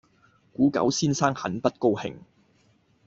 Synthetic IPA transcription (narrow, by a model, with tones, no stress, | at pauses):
kuː˨˥kɐ̰˨˥wsiː˥nsaː˥ŋhɐ˨˥npɐ˥t̚ko˥whɪ̰˨˩ŋ